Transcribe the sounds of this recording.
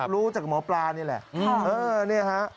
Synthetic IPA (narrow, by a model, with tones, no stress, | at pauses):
ɾuː˦˥t͡ɕaː˨˩k̚mɔː˩˦plaː˧niː˥˩lɛ̰˨˩ʔʔɤː˧ni˥˩ɐkʰa˦˥ʔ